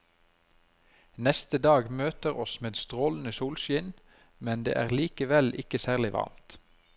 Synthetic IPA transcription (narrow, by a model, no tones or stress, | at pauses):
nɛst̪əd̪ɑːɡmøːt̪əʁɔsmeːd̪st̪ʁoːln̩əsuːlʃɪn | mɛnd̪ḛːʔæːʁliːkəʋɛlɪkəsæːʁlɪʋɑ̰ʁmt̪